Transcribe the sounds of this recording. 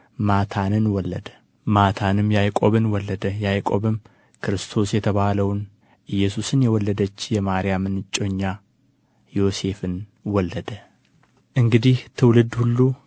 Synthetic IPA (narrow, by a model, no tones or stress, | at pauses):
mat̪ʰanɨnwɔlːəd̪ə | mat̪ʰanɨmjajkʼo̞βɨnwɔlːəd̪əjajkʼo̞βɨm | kʰɨɾɨst̪ʰo̞sjɛt̪ʰəβaləwn | ʔɨjːɛs̬usɨnjɛwɔlːəd̪ət͡ʃːjɛmaɾijamɨnɨt͡ʃʼːo̞ɲːa | jo̞se̞fɨnwɔlːəd̪ə | ʔɨŋɡɨd̪iht̪ʰɨwlɨd̪hulːu